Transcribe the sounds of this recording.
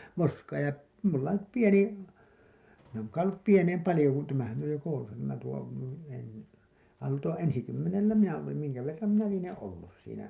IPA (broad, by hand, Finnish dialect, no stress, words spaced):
moskɑː jɑ mulːɑ nyp pieni min oˑŋ kɑi olːup pieneim pɑlĭjo kun tæmæhæn oj jo koulusɑ tæmæ tuo en ɑl tuo ensikymːenelːæ minæ olim miŋkæ ʋerːɑm minæ lienẽː olːus siːnæ